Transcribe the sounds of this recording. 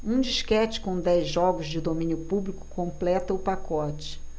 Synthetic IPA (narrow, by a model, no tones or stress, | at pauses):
ũd͡ʒiʃkɛt͡ʃɪ̥kõd̪ɛjzʒɔɡʊzd͡ʒɪd̪omĩnjʊpublikʊ̥kõmplɛt̪ɐʊpakɔt͡ʃɪ̥